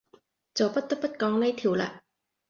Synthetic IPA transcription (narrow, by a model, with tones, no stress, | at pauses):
t͡so˨˩wpɐ˦˥t̪̚ːɐ˥pːɐ˥t̚kɔː˨˧˥ŋlɐ˧˥jt̪ʰi˨˩˦wla̰˧ʔ